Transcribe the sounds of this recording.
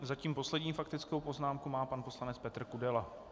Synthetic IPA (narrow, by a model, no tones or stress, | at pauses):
zaciːmpo̞slɛdɲiːfakt̪ɪt͡skowpo̞znaːmkumaːpanpo̞slanɛt͡spɛt̪r̩kudɛla